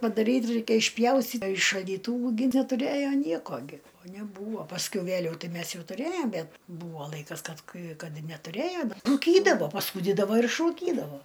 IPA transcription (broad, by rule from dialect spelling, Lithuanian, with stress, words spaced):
pɐdɐˈrʲiːt ˈrɐɪkʲɛ ɪʃʲˈpʲjɛʊsʲtʲiː ɪ ʃɐlʲdʲiːˈtuːʋʊ ɡʲɪ nʲɛtʊˈrʲeːjoː ˈnʲiɛkoː ɡʲɪ oː nʲɛˈbuːʋoː pɐsʲˈkʲɛʊ ˈʋʲæːlʲɛʊ ˈtɐɪ ˈmʲɛs ˈjɛʊ tʊˈrʲeːjoːm ˈbʲɛt ˈbuːʋoː ˈlˠɐɪkɐs ˈkɐt ˈkɐɪ ˈkɐt nʲɛtʊˈrʲeːjoː dɐ ruːˈkʲiːdɐʋoː pɐˈsuːdʲiːdɐʋoː ɪr ɪʃruːˈkʲiːdɐʋoː